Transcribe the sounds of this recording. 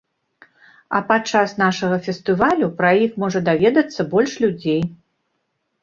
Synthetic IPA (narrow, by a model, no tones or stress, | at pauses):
ɐpat͡ʂasnaʂɐɣɐfʲɛst̪ɨvalʲupɾɐjixmɔʐɐd̪avʲɛd̪ɐt̪sːɐbɔlʲʂlʲud͡zʲej